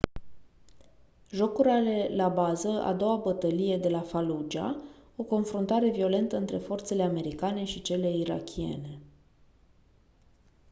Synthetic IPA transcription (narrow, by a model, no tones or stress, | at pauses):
ʒo̞kuɾʲale̞labazəa̰d̪o̞wabət̪əlije̞d̪e̞lafalud͡ʒia̰o̞ko̞nfɾunt̪aɾe̞vio̞le̞nt̪əɨnt̪ɾe̞fo̞rt̪se̞le̞ame̞ɾikane̞ʃit͡ʃe̞le̞iɾa̰kʲʰie̞̰ne̞